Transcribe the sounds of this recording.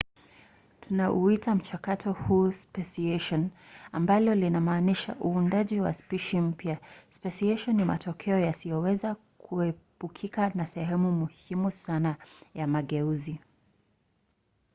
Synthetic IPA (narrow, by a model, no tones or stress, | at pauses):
tʰunaʔuitam̩t͡ʃakatʰɔhuːspɛsiɛʃɔnambalɔlinamaːniʃaʔuːndaʄiwa̰spiʃim̩pjaspɛsiɛʃɔnːima̰tɔkʰɛɔjasijɔwɛza | kʰuɛpukʰikanasɛɦɛmumuhimusanajamaɠɛuzi